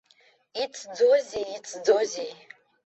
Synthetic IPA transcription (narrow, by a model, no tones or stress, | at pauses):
it͡sʰd͡zoziit͡sʰd͡zozi